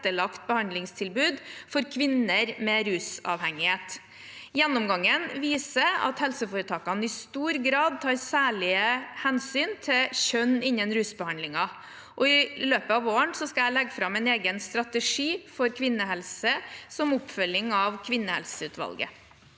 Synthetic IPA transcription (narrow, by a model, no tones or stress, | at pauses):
t̪əɭɑkt̪̚bəhɑnd̪lɪŋst̪ʰɪlbʉːd̪fɔɾkʰʋɪnːəɾmɛɾʉːsɑ̰ʋhɛŋɪheːt̪ | jɛnːʊmɡɑŋːənʋiːsəɑ̰t̪hɛlsəfoːɾət̪ʰɑːkɑnəɪst̪uːɾɡɾɑːd̪̚t̪ʰɑːɾsæːɭɪəhɛnsyːnt̪ʰɪɕœnːɪnːənɾʉːsbəhɑnd̪lɪŋɑ | ʔɔɪløːpəɑʋoːəɳsɔskɑæɪlɛɡfɾɑmɛneːɡənst̪ɾɑt̪əʂiːfɔɾkʰʋɪnːəhɛlsəsɔmʊpfœlːɪŋɑʋkʰʋɪnːəhɛ̰lsəʉːt̪ʋɑ̰lɡə̰